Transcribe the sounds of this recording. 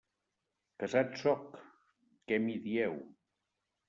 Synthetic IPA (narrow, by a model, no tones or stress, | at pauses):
kəzat̪sɔkː | ɛmiðiɛw